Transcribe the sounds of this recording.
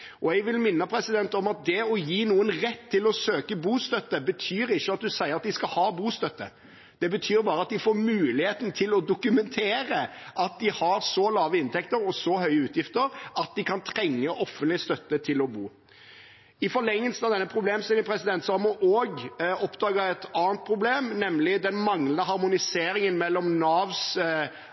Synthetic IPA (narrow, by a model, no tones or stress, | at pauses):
ʔɔɛɡʋɪlmɪnːəpʰɾɛsɪd̪ɛnt̪ɔmɑt̪̚d̪ɛɔjiːnuːənɾɛt̪ʰːɪlɔsøːkəbuːst̪œt̪ːəbət̪ʰyːɾɪçːəɑt̪̚d̪ʉsæɪəɾɑt̪d̪ɪskɑhɑːbuːst̪œt̪ːə̰ | d̪̥ɛbət̪ʰyːɾbɑːɾəɑt̪̚d̪ɪfoːɾmʉːlɪheːt̪n̩t̪ʰɪlɔd̪ʊkʉmɛnt̪ʰeːɾəʔɑt̪̚d̪ɪhɑɾsɔlɑːʋəɪnt̪ʰɛkt̪əɾɔsɔhœʏəʉːt̪jɪft̪əɾɑt̪̚d̪ɪkʰɑnt̪ʰɾɛŋːəʔɔfənt̪lɪəst̪œt̪ːət̪ʰɪlɔbuː | ɪfɔɭɛŋːəlsnɑʋd̪ɛnːəpʰɾʊbleːmsɪnɪpʰɾɛsɪd̪ɛnt̪sɑɑmɔʔoːɡɔpd̪ɑːɡəɛt̪ɑːənt̪̚pʰɾʊbleːmnɛmlɪd̪ɛnmɑŋlənəɦɑɾmʊnɪseːɾɪŋənmɛlːɔmnɑːʋs